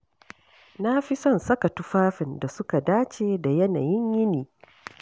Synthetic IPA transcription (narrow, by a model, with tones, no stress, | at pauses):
na˦ɸɪ˦sɔ˦˨nsɐ˦ka˨tʊ˦ɸaː˦ɸɪ˨nda˨sʊ˦ka˨daː˦t͡ʃeː˨da˨jɐ˦na̰ː˨jɪ˦ɲjɪ˦niː˨